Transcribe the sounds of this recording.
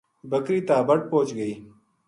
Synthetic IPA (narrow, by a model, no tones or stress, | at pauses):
bɐkɾiːt̪aːbɐʈ̚poːt͡ʃɡəiː